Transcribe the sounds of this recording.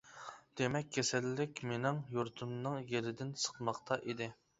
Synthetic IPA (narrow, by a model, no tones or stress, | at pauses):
d̪̥emɛk̚ʲʰːesɛlːɪkʲmenɪŋjuɾt̪ʰumnɨŋjeɾɪd̪ɪnsə̥qmɑqt̪ʰɑʔid̪ɪ